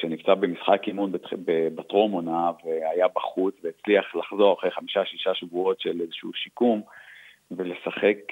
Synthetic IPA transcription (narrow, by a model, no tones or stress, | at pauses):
ʃenimt͡sabe̞misχakimunbbebatʁomonaveajabaχut͡sveːt͡sliaχlaχzo̞ʁaχejχamiʃaʃiʃaʃevuo̞tʃelezeʃuʃikum | vele̞saχe̞k